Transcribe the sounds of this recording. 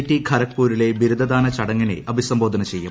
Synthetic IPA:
tːiɡʰʱɐɾɐkpːuːɾile̞biɾud̪ʱɐd̪aːnɐt͡ɕɐɽɐŋːɐnḛʔɐbʱisɐmbo̞ːd̪ʱɐnɐt͡ɕe̞jːum

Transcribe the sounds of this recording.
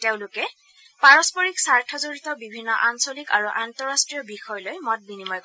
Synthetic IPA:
teʊ̃lʊkɛ | paɹɔspɔɹiksaɹtʰɔzoɹitɔbibʱinːɔʔansolika̰ɹuʔantɔɹastɹiɔbixɔjlojmɔt̚binimɔj

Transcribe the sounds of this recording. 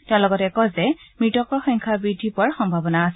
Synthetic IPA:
tɛ̃ʊ̃lɔɡɔtɛkɔzɛmɹitɔkɹɔxɔŋkʰabɹidʱipʊaɹxɔmbʱabɔnaːsɛ

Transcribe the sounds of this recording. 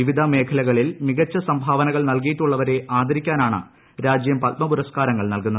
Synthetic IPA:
iʋid̪ʱɐme̞ːkʰɐlɐɣɐɭilmiɣɐt͡ɕːɐsɐmbʱaːʋɐnɐɣɐɭnɐlk̬ijiʈːuɭːɐʋɐɾe̞ʔaːd̪ʱɐɾikʲːaːnaːɳɨ̰ | ɾaːd͡ʑjɐmpɐt̪̚mɐpuɾɐskaːɾɐŋːɐɭnɐlkunːɐð

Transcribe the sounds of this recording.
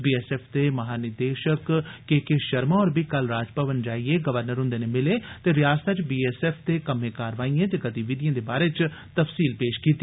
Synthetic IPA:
biːɛːsɛːpʰt̪eːməɦaːnɪd̪eːʃəkːekeʃəɾmaːɔːɾbʱiːkəlɾaːd͡ʒpəʋənd͡ʒaːieːɡəʋəɾnəɾɦʊ̃nd̪eːnemɪleːt̪eːɾɪjaːst̪ʰat͡ʃbiːɛːsɛːpʰt̪eːkəmẽːkaːɾʋaːiãːt̪eːkət̪iʋɪd̪ijãːd̪eːbaːɾeːt͡ʃ | t̪əfsiːlpeːʃkiːt̪ːi

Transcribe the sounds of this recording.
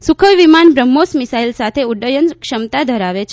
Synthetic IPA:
sukʰəʋʋimanbɾəmːosmisailsat̪ʰeuɖəjənkʃəmt̪ad̪ʱəɾaʋet͡ʃʰ

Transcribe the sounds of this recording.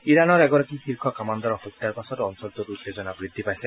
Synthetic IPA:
iɹanɔɹɛɡɔɹakixiɹkʰɔkamand̪ɔɹɔxɔt̪ːaɹpasɔtɔnsɔlt̪ututːezɔnabɹid̪ʱːipajsɛ

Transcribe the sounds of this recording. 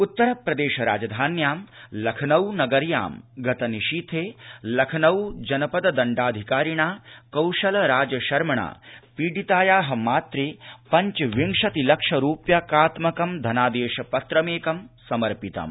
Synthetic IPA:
ut̪ːɐɾɐpɾɐd̪eːʃɐɾa̰ːd͡ʒɐd̪ʱaːnjaːmlɐkʰɐnɐwnɐɡɐɾja̰ːmɡɐt̪ɐniʃiːt̪ʰeːlɐkʰɐnɐwd͡ʒɐnɐpɐd̪ɐd̪ɐɳɖaːd̪ʱikaːɾiɳaːkɐwʃɐlɾaːd͡ʒjɐʃɐɾmɐɳa̰ːpiːɖit̪aːjaːɦɐ̆maːt̪ɾiːpɐɲt͡ʃɐʋiŋʂɐt̪ilɐkʂɐɾuːpjɐkaːt̪mɐkɐmd̪ʱɐnaːd̪eːʃɐpɐt̪ɾɐmeːkɐmsɐmɐɾpit̪ɐ̰m

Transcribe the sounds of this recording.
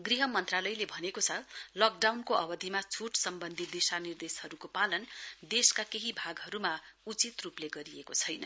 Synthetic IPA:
ɡriɦʌmʌnt̪ralʌjlebʱʌnekot͡sʰʌlʌk̚ɖawnkoʔʌbʌd̪ʱimat͡sʰuʈsʌmbʌnd̪ʱit̪̚d̪isanird̪eshʌɾukopalʌnd̪eskakeɦibʱaɡɦʌɾumaut͡sit̪rupleɡʌɾiekot͡sʰʌjnʌ

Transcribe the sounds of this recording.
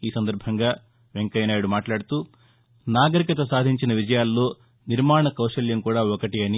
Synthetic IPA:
iːsɐnd̪ɐɾbʱɐŋɡaː | ʋe̞ŋkɐjnaːjuɽumaːʈlaːɽut̪uː | naːɡɐɾikɐt̪ɐsaːd̪ʱiɲt͡ʃinɐʋid͡ʒɐjaːlːo̞ː | niɾmaːɳɐkɐwʂɐljɐmkuːɽaːɔkɐʈiɐni

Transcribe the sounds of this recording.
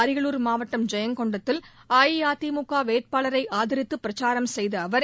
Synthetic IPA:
ɐɾɪɣɐɭuːɾmaːʋɐʈːɐmd͡ʒɐjɐŋkɔɳɖɐt̪ːɪlaːjiaːt̪iːmʊkːaːʋeːt̪̚paːɭɐɾɐɪʔaːðɐɾɪt̪ːɯpːɪɾɐt͡ʃaːɾɐmsɛjðɐːʋɐɾ

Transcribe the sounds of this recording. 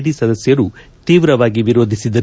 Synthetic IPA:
ɽisɐd̪ɐsjɐɾut̪iːʋɾɐʋaːɡiʋiɾoːd̪ʱisid̪ɐ

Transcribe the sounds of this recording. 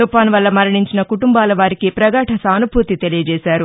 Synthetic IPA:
upaːnʋɐlːɐmɐɾiɳiɲt͡ʃinɐkuʈumbaːlɐʋaːɾikipɾɐɡaːʈʰɐsaːnubʱuːt̪it̪elijɐd͡ʒɛːsaːɾu

